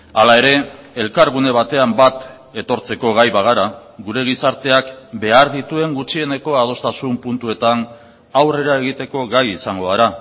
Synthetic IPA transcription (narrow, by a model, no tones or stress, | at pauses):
alae̞ɾe̞elkaɾɣ̞une̞β̞at̪e̞ambat̪ | e̞t̪o̞ɾt͡se̞ko̞ɣ̞ajβaɣ̞aɾaɣuɾe̞ɣ̞isaɾt̪e̞akbe̞aɾðit̪ue̞ŋɡut͡ʃie̞ne̞ko̞að̞o̞st̪asumpunt̪ue̞t̪an | awre̞ɾae̞ɣit̪e̞ko̞ɣajisaŋɡo̞aɾa